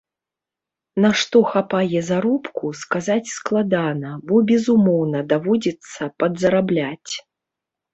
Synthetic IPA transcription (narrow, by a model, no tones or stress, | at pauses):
naʂt̪ɔxapajɛzaɾɔpkuskazat͡sʲsklˠad̪anɐbɔbʲɛzumɔwnɐd̪avɔd͡zʲit̪sːɐpɐd̪zɐɾablʲat͡sʲ